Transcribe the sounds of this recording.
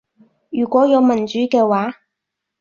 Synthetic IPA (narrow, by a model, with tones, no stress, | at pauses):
jyː˨˩kʷɔː˨˥jɐ˨˧wmɐ˨˩nt͡ʃyː˨˥kɛː˧waː˨˥